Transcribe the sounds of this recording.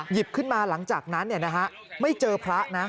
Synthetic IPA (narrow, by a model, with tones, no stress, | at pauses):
ji˨˩p̚kʰɯ˥˩nmaː˧la˩˦ŋt͡ɕaː˨˩k̚na˦˥nːi˥˩ɐna˦˥kʰa˦˥ʔ | ma˥˩jt͡ɕɤː˧pʰɾa˦˥ʔna˦˥